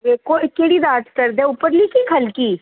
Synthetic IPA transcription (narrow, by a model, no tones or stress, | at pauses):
ʋekokeːɽid̪aːt̪kəɾd̪ẽʊpəɾliːkikʰəlkiː